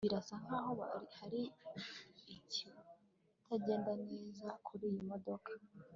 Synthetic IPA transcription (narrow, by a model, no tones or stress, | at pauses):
iɾasaŋ̥aɦoβa̰ihaɾiː | ci | tʰaɟe̞ːndane̞ːzakʰuɾiːjimo̞do̞kʰḁ